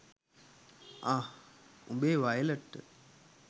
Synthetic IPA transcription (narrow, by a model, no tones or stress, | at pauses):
aːumbeːʋɐjɐlɐʈːɨ